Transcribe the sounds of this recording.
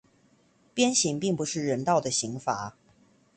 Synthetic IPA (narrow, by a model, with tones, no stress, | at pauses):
pjɛ˥nɕi˧˥ŋpi˥˩ŋpu˧˩ʂɻ̩˥˩ɻə˧˥nt̪ɑ˥˩ʊd̪ə˩ɕi˧˥ŋfa̰˧˥˦